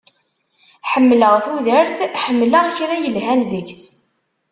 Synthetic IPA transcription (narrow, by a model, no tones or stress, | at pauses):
ħəmːləʁθuðəɾθħəmːləʁçɾæjəlɦænðəçs